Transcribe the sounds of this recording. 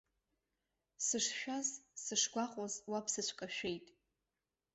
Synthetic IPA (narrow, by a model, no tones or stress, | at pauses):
sɨʂʃᶣazsɨʂɡʷaqʼazwapʰsɨt͡ɕʷʰkʼaʃᶣe̞jtʼ